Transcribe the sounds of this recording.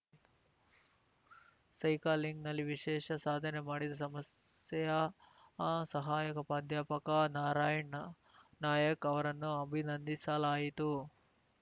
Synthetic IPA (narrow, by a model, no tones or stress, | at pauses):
sɐjkaːlːiŋɡnɐlːiʋiʃɛːʃɐsaːd̪ʱɐnemaːɽid̪ɐsɐmɐsjɐjɐ | sɐɦaːjɐkɐpaːd̪ʱjaːpɐkɐnaːɾaːjɐɳɐ | naːjɐkɐʋɐɾɐnːuɐbʱinɐnd̪isɐlaːjit̪u